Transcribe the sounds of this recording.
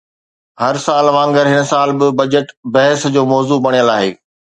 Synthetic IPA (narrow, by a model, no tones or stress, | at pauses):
ɦɐɾsaːlʋãːŋɡəɾɦɪn̆saːlbɪbɐd͡ʑəʈbɐɦɪsd͡ʑoːmɔːzubɐɽ̃ijəlaːɦḛː